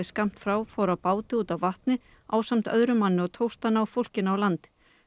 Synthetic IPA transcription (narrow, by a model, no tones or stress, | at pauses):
ɪskam̥t̪fɾawfaːwɾapaːwt̪ɪuːt̪awvaht̪nɪ | a̰ːwsam̥t̪œðɾʏmanːɪɔɣt̪ʰowst̪anaːwfowl̥cɪnaawlant̪